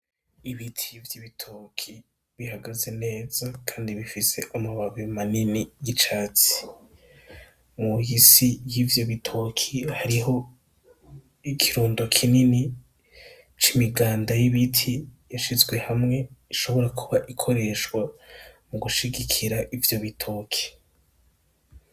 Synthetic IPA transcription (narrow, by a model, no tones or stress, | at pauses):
iβitʰivjiβitʰokʰi | βihaɡaze̞ne̞ːz̥akʰaːndiβifise̞ʔamuβaβimaninijit͡ʃaːt͡si̥ | mujisijivjo̞βitʰo̞kʰihaɾiɦo̞ | ikʰiɾuːndo̞kʰinini | t͡ʃimiɡaːndajiβitʰijaʃizɡwe̞hamŋe̞iʃo̞βo̞ɾakʰuβaʔikʰo̞ɾe̞ʃkwamuɡuʃiɡikʰiɾaʔivjo̞βitʰoːkʰi̥